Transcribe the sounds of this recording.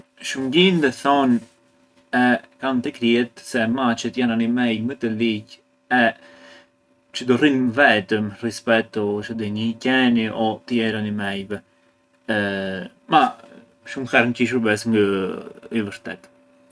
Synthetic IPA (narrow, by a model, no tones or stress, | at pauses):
ʃumɡind̪əθɔn | ɛkamt̪əkɾiɛt̪sɛmat͡ʃət̪jananimɛjmət̪əlic | ɛ | t͡ʃəd̪ɔrinvɛt̪əmrispɛt̪ɔt͡ʃəd̪ənicɛniʔɔt̪əjɛɾanimɛjvɛ | ma | ʃumxaɾnciʃ̬uɾbɛs̬ŋɡəivəɾt̪ɛ̰t̪